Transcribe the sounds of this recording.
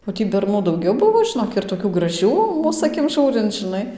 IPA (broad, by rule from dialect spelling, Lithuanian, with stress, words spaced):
oː ˈtʲiː bʲɛrˈnuː dɐʊˈɡʲɛʊ ˈbʊʋoː ʒʲɪˈnoːk ɪr toːˈkʲuː ɡrɐˈʒʲuː ˈmuːs ɐˈkʲɪm ˈʒuːrʲɪnt͡s ʒʲɪnˈɐɪ